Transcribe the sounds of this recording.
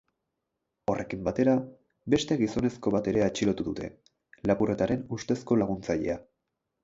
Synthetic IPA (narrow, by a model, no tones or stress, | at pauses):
o̞rʔe̞kimbat̪e̞ɾa | be̞st̪e̞ɣiso̞ne̞sko̞βat̪e̞ɾe̞at͡ʃilo̞t̪uðut̪ʰe̞̰ | lapure̞t̪aɾe̞nust̪e̞sko̞laɣ̞unt͡saʎe̞̰a